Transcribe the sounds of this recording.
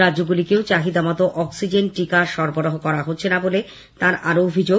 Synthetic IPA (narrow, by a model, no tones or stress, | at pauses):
ɾadʑoɡulikeot͡ɕaɦid̪amɔt̪oʔɔksid͡ʑenʈikaʃɔɾboɾoɦokɔɾaɦotːɕʰenabole | t̪aɾaɾoobʱid͡ʑo